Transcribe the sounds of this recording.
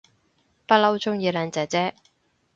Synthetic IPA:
pɐ˥t̚lɐ˥wt͡sʰʊ˥ŋjiː˨˧laː˨˧nt͡sɐ˨˩t͡sɛː˥

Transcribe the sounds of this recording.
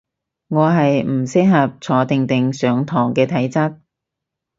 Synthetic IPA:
ŋɔː˨˧ɦɐ˨jm̩˨˩sɪ˥k̚ɦɐ˨p̚t͡sʰɔː˨˥t̪ɪ˨ŋt̪ɪ˨ŋsœː˨˧ŋt̪ʰɔː˨˩ŋkɛː˧t̪ʰɐ˨˥jt͡sɐ˥t̚

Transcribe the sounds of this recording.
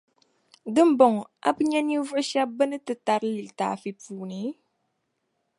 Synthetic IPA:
dɨ˦m˦bɔ˨ŋ˨a̰˦bɨ˦ɲɛ˦ni˦vʊ˦ʔʃa˦bɨ˦nɨ˦tɨ˨ta˨ɾɨ˦lɨ˨lta̰ː˨fi˨puː˨˦nɨ˦

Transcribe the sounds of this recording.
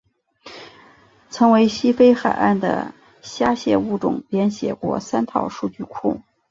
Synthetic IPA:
ʈ͡ʂʰɤ˧˥ŋwe˧˥ɪɕi˥fe˥ɪxa˨˩ɪʔa̰˥˩nd̪ə̰˩ | ɕja˥ɕjɛ˥˧u˥˩ʈ͡ʂʊ̰˨˩ŋljɛ˧˥nɕjɛ̰˨˩kwɔ̰˧˥sa˥nt̪ʰɑ̰˥˧ʊʂu˥˧t͡ɕy˥˧kʰʊ̰˥˩ŋ

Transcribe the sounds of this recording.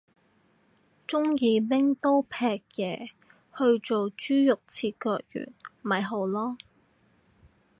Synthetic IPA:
t͡ʃʊ˥ŋjiː˨˧lɪ˥ŋt̪o˥wpʰɛː˧k̚jɛː˨˧ | hɵ˧ɥt͡so˨wt͡ʃyː˥jʊ˨k̚t͡sʰiː˧t̚kɔː˧k̚jy̰ː˨˩nmɐ˨jɦo˨˧wlɔː˥

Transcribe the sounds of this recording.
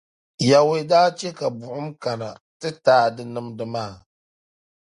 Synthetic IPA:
ja˨wdaː˦t͡ʃe˦ka˨bʊ˨ʔʊ˦mka˨na˨ | tɨ˦taː˦dɨ˦nɨ˦mdɨ˦maː˦˨

